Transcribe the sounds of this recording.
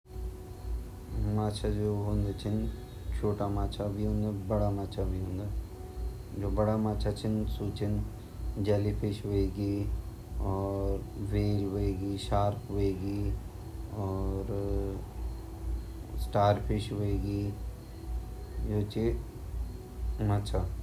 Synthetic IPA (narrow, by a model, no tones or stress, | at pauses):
maːt͡ʃʰad͡ʒoːɦʊ̃nd̪at͡ʃʰɪn | t͡ʃʰoːʈamaːt͡ʃʰabʱiɦʊ̃nd̪abɐɽamaːt͡ʃʰabʱiɦʊ̃ːnd̪aː | d͡ʒoːbɐɽamaːt͡ʃʰat͡ʃʰɪnsuːt͡ʃʰɪn | d͡ʒɐlipʰɪʃʋoeːɡiː | ɔːɾʋeːlɦoeːɡiːʃaːɾpɦoeːɡiː | ɔːɾ | sʈaːɾpʰɪʃʋoeːɡiː | joːt͡ʃe | maːt͡ʃʰa